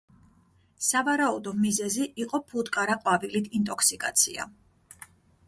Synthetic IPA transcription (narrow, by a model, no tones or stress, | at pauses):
savaɾaud̪ɔmizɛziʔiqʼɔpʰud̪kʼaɾaqʼwavilit̪ʰint̪ʼɔkʰsikʼat̪sʰḭa̰